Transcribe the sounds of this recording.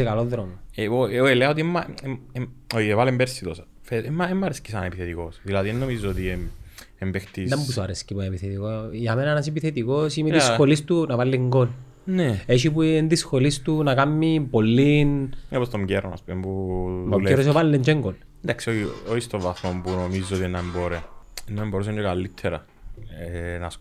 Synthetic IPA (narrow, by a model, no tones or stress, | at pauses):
ekaloðɾomoeooeleaot̪̬iemːaeoievalembeɾsit̪osɐ | feemːaemːɐɾescisanepiθet̪ikosðilaðienːomizːoot̪ie | embext̪id̪ɐmbusoaɾescipuepiθet̪ikojamenanɐs̬epiθet̪ikosimeiskolist̪unavalːeŋɡol | neeʃ̬ip̬uend̪isxolist̪unɐkamːimpolːinepost̪omɟeɾonɐ̰spumempuoeɾos̬evalːeɲd͡ʒeŋɡol | nd̪aksiooist̪oɱvɐθmombunomizːot̪ienːɐemboɾeenːɐemboɾus̬eɲd͡ʒokalːit̪ʰːeɾɐ̰ | enɐs